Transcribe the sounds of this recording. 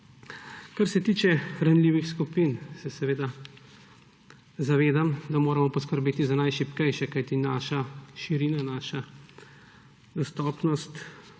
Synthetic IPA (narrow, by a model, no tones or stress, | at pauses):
kaɾsɛt̪iːt͡ʃɛɾanliːʋixskupiːnsɛsɛʋeːd̪a | zaʋeːd̪amd̪amoːɾɐmɔpɔskəɾbeːt̪izanajʃipkɛjʃɛkajt̪inaːʃaʃiɾiːnanaːʃa | d̪ɔst̪ɔːpnɔst̪